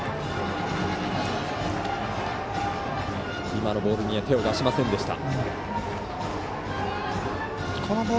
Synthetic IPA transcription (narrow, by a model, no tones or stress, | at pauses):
imano̞bo̞ːɾɯ̟ɲ̟iβat̪e̞oɡaɕimasẽ̞nd̪e̞ɕi̥t̪a̰ | kʰonobo